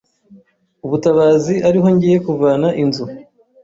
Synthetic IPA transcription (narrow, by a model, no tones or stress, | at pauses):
uβutaβaːziʔaɾiɦo̞ɲɟije̞kuvaːnaʔinzu